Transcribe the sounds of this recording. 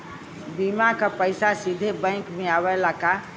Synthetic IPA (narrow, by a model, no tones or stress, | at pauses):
bimakəpəɪsasid̪ʱebə̃ɪkmeaʋɛlaka